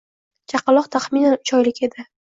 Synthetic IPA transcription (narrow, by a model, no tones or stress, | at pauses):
t͡ʃʰaqɨlˠɒqt̪ʰaχminanʊt͡ʃʰɒjlɪkʲe̞d̪ɪ